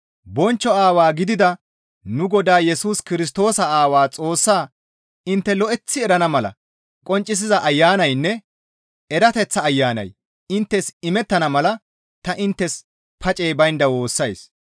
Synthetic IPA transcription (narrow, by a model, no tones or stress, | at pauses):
bɔnt͡ʃːɔaːwaːɡɪd̪ɪd̪ɐ | nʊɡɔd̪aːjɛsuːskɪɾɪs̬t̪o̞ːsɐaːwaːt͡sʼo̞ːsːaː | ɪnt̪ːɛlɔʔɛt͡sːɪɛɾɐnɐmɐlɐ̰ | kʼɔnt͡ʃʼːɪs̬ɪzɐʔɐjːaːnɐjnːɛ | ɛɾɐt̪ɛt͡sːɐːjːaːnɐ̰j | ɪnt̪ːɛsɪmɛt̪ːɐnɐmɐlɐ | t̪ɐʔɪnt̪ːɛs | pʰɐt͡ʃʼeːbɐjnd̪ɐwo̞ːsːɐjs